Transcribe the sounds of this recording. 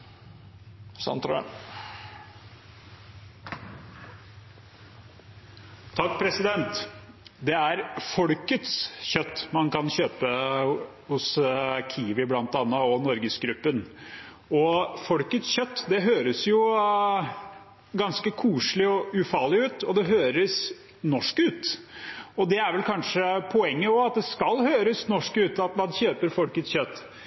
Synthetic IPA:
sɑ̰nt̪ɾ̰ | t̪ʰɑkːpʰɾɛsɪd̪ɛnt̪ | d̪ɛæɾfɔɽkət̪sçœt̪ːmɑnkɑnɕøːpə | hʊskʰiːʋɪblɑnt̪ɑnːəɔnɔɾɡəsɡɾʉpːən | ɔfɔlkət̪sçœt̪ːd̪ɛɦøːɾəsjʊ | ɡɑnskəkʰuːʂɭɪɔʉfɑːɭɪʉːt̪ɔd̪ɛɦøːɾəs | nɔʂkʉːt̪ | ɔd̪ɛæɾʋɛlkʰɑnʂəpʰɔɛŋːəɔɑt̪̚d̪ɛskɑlhøːɾəsnɔʂkʉːt̪ɑt̪mɑnçøːpəɾfɔlkət̪sçœt̪ː

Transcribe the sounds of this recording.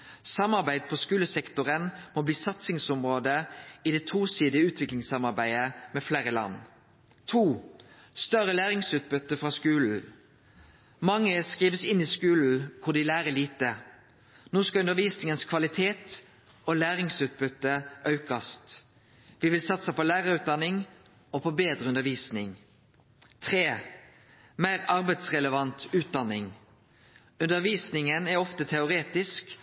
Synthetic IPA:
sɑmɑʁbæɪd̪̚pʰɔskʉːləsɛkt̪ʊʁənmɔbliːsɑt̪sɪŋsʊmʁoːd̪əɪd̪ɛt̪ʰuːsiːd̪ɪəʉːt̪ʰʋɪklɪŋsɑmɑʁbæɪəmɛfleːʁəlɑ̰n | t̪ʰuː | st̪œʁəlæːʁɪŋsʉːt̪̚bʏt̪ːəfʁɑːskʉːln̩ | mɑŋːəskʁiːʋəsɪnːiːskʉːln̩kʰʊʁd̪ɪlæːʁəliːt̪ə | noːskɑʉnd̪əʁʋiːsnɪŋənskʰʋɑlɪt̪ʰeːt̪ | ɔlæːʁɪŋsʉːt̪̚bʉt̪ːəʔɑʉkɑst̪ | ʋɪʋɪlsɑt̪səpɔlæːʁəʁʉːt̪̚d̪ɑnɪŋ | ɔpʰɔbeːd̪ʁəʉnd̪əʁʋiːsnɪŋ | t̪ʰʁeː | mæɪʁɑʁbɛɪt̪sʁɛləʋɑnt̪ʉːt̪̚d̪ɑnːɪŋ | ʉnd̪əʁʋiːsnɪŋənæʁɔft̪ət̪ʰɛʊʁeːt̪ɪsk

